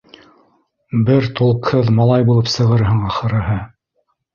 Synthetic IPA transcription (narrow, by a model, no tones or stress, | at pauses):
bɘɾt̪ulˠɤ̆qhɤðmɑlˠɑjbulˠɤpsɤ̆ʁɤɾɦɤɴɑχɤ̆ɾɤ̆ɦɤ